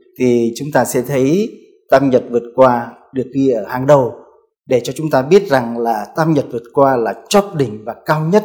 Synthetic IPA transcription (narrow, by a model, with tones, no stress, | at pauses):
t̪ʰi˨˩t͡ɕʊ˨˦ŋ͡mt̪aː˧sɛ̰˧˥t̪ʰə˨˦j | t̪aː˧mɲə˨˩t̚vɨ˨˩ət̚kwaː˧ɗɨ˨˩ək̚ɗi˧ʔəː˧˩haː˨˩ŋɗə˨˩w | ɗe˧˩t͡ɕɔ˧t͡ɕʊ˨˦ŋ͡mt̪aː˧ɓi˦˥ət̚za˨˩ŋlaː˨˩t̪aː˧mɲə˨˩t̚vɨ˨˩ət̚kwaː˧laː˨˩t͡ɕɔ˦˥p̚ɗï˧˩ŋ̟vaː˨˩kaː˧wɲə˦˥t̚